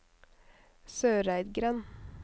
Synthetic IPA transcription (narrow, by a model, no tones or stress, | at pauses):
søːɾæɪd̪ɡɾɛn